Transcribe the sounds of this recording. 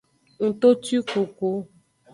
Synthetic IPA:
ŋ̩˨t̪o˦ti˦ko˨ko˦

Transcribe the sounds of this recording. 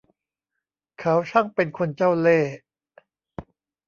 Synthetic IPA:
kʰa˦˥wt͡ɕʰa˥˩ŋpe˧nkʰo˧nt͡ɕa˥˩wleː˥˩

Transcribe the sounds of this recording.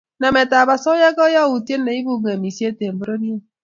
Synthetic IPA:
na˨me˨ta˨ba˨sɔ˦jɛ˦ɡɔ˦jɔ˦wu˨tje˦nː˦a˨i˦bu˦ɡa˨mi˨si˦e˦te˨m̩˨bo˦ɾo˦ni˦e˦

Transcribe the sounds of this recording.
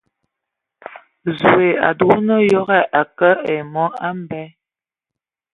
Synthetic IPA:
zu˨e˨a̰˨du˨˦nə˦jɔ˦ɣɛ˦ʔa˨kə˦ɛ˨mɔ˦a˦m̩˦˨bɛ˦

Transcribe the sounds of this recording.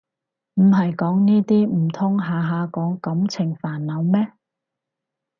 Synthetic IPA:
m̩˨˩ɦɐ˨jkɔː˨˥ŋniː˥t̪iː˥m̩˨˩t̪ʰʊ˥ŋɦaː˨ɦaː˨˧kɔː˨˥ŋkɐ˨˥mt͡sʰɪ˨˩ŋfaː˨˩nːɐ˨˧wmɛː˥

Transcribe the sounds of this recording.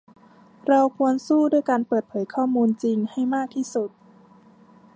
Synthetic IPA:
ɾa˧wkʰu˧ənsuː˥˩du˥˩əjkaː˧npɤː˨˩t̪̚pʰɤː˩˦jkʰɔː˥˩muː˧nt͡ɕi˧ŋha˥˩jmaː˥˩k̚t̪ʰiː˥˩su˨˩t̪̚

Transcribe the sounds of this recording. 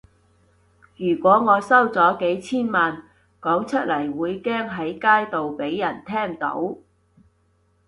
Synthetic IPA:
jyː˨˩kʷwɔː˨˥ŋɔː˨˧sɐ˥wt͡sɔː˨˥ke˨˥jt͡sʰiː˥nmaː˨n | kɔː˨˥ŋt͡ʃʰɵ˥t̚lɐ˨˩jwuː˨˧jkɛː˥ŋɦɐ˨˥jkaː˥jt̪o˨wpe˨˥jːɐ˨˩nt̪ʰɛː˥ŋt̪o̰˨˥w

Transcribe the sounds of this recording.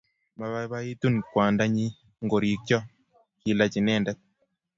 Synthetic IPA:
ma˨βa˦βa˦i˦tu˦nkwa˨nda˦ɲi˦ | ŋɡo˨ɾi˨k̚t͡ʃɔ˦ | ki˨la˦t͡ʃi˨nɛ˦˨ndɛ˦t̪̚

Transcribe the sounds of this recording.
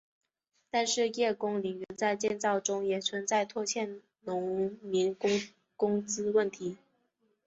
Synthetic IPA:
t̪a˥˧nʂɻ̩˥˧jɛ˥˩kʊ˥ŋli˨˥ŋɥɛ˧˥nt͡sa˥˧ɪt͡ɕjɛ˥˧nt͡sɑ˥˩ʊʈ͡ʂʊ˥ŋjɛ˨˩t͡sʰwə˧˥nt͡sa˥˧ɪt̪ʰwɔ˥˧t͡ɕʰjɛ˥˩n | nʊ˧˥ŋmi˧˥ŋkʊ˥ŋ | kʊ˥ŋt͡sɹ̩˥wə˥˩nt̪ʰi˧˥

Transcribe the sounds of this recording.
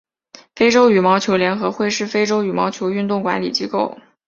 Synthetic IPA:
fe˥ɪʈ͡ʂo˥ʊy˨˩mɑ˧˥ʊt͡ɕʰjo˧˥ʊljɛ˧˥nxɤ˧˥xwe˥˧ɪʂɻ̩˥˩fe˥ɪʈ͡ʂo˥ʊy˨˩mɑ˧˥ʊt͡ɕʰjo˧˥ʊy˥˧nt̪ʊ˥˩ŋkwa˧˥nlḭ˨˩t͡ɕi˥ko˥˩ʊ

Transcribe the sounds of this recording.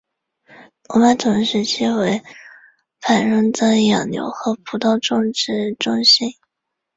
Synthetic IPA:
ɔ˧˥ma˥˩t̪ʰʊ˧˥ŋʂɻ̩˧˥t͡ɕʰi˥we˧˥ɪ | fʰa˨˩nɻʊ˥ŋt͡s̪ə˧˥jɑ˨˩ŋnjo̰˧˥ʊxɤ˧˥pʰu˧˥t̪ɑ˥˧ʊʈ͡ʂʊ˥˧ŋʈ͡ʂɻ̩˥ʈ͡ʂʊ˥˧ŋɕi˥n

